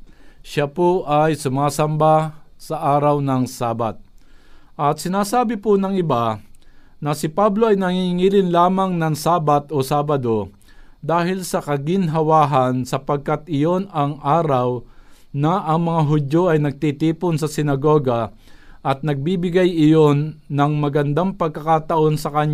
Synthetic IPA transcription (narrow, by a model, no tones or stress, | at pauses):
ʃapoʔajsʊmaːsɐmbasɐʔaːɾawnɐŋsaːbat̪̚ʔɐt̪̚sɪnaːsaːbɪpʊnɐŋɪba | nɐsɪpablo̞ɐjnɐŋiŋiːlɪnlaːmaŋnɐŋsaːbat̪ʔosaːbɐd̪o̞ | d̪aːhɪlsɐkɐɡɪnɦɐwaːɦɐnsɐpɐɡ̚kat̪ʔɪjo̞nɐŋʔaːɾaw | nɐʔɐŋmɐŋaɦʊdjo̞ʔɐjnɐɡ̚t̪it̪iːpʊnsɐsɪnɐɡo̞ːɡɐ | ʔɐt̪̚nɐɡ̚bibɪɡajɪjo̞nːɐŋmɐɡɐnd̪aŋpɐɡ̚kɐkaːt̪ɐʔo̞nsɐkɐɲ